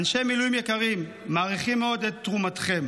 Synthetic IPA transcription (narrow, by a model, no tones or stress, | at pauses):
anʃemilujimjekaʁimː | aːʁiχimːeo̞d̪etːʁumatχe̞m